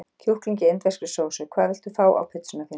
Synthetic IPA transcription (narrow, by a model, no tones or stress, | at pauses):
cʰuhkliɲcɪent̪vɛrkɪsoːwsʏkʰvaːðvɪl̥t̪ufaːwʔa̰wpʰɪt̪sʏnaθɪ